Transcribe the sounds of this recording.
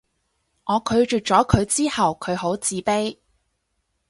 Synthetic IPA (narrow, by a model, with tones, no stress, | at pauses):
ŋɔː˨˧kʰɵ˨˧ɥt͡ʃyː˨t̚t͡ʃɔː˨˥kʰɵ˨˧ɥt͡siː˥hɐ˨wkʰɵ˨˧ɥɦo˨˥wt͡siː˨˥pe˥j